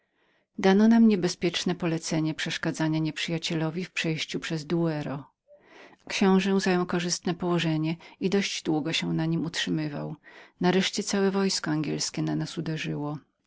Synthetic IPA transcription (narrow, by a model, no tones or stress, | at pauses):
d̪anɔnamɲɛbɛspʲjɛt͡ʂnɛpɔlɛt̪sɛɲɛpʂɛʂkad̪zaɲaɲɛpʂɘjat͡ɕɛlɔvʲifpʂɛjɕt͡ɕupʂɛzd̪uɛɾɔ | kɕɔ̃w̃ʐɛwzajɔ̃w̃kɔʐɘst̪nɛpɔwɔʐɛɲɛid̪ɔʑd͡ʑd̪wuɡɔɕɛnaɲimutʂɘmɘva̰wnaɾɛʂt͡ɕɛt̪sawɛvɔjskɔaŋɡʲjɛlskʲɛnanasud̪ɛʐɘwɔ